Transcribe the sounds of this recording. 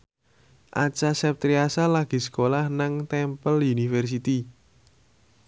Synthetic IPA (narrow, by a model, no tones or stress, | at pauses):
ʔa̰t͡ʃasɛp̚t̪ɾiasalaɡ̥i̤sə̥kolahnaŋt̪ɛmpəlunifɛrs̬it̪i